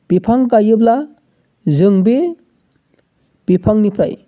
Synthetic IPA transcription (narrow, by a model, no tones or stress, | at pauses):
b̥ipʰaŋkajɯbla | zɯŋbe | b̥ipʰaŋnipʰɾa̰j